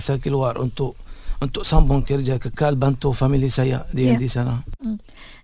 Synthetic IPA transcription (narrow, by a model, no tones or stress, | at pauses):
sakilwaɾʔṵntuntusãmbɔŋkiɾd͡ʒakəkalbantofamilisaja̰dendisana